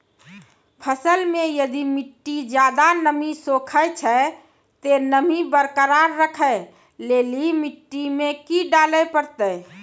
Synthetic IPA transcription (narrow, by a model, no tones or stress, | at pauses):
pʰəsəlmẽjəd̪imiʈːid͡ʒjad̪anəmisokʰət͡ʃʰə | t̪enəmibəɾkəɾaɾːəkʰəe | leːlimiʈːimekiɖaləpəɾt̪əɪ